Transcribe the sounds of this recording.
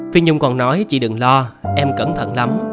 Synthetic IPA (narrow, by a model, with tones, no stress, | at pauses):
fi˧əɲʊ˧ŋ͡mkɔ˨˩nnɔ˨˦jt͡ɕḭ˧˩ɗɨ˨˩ŋlɔ˧ʔɛ˧mkə˧˩nt̪ʰə̰˧˩˨nla˨˦m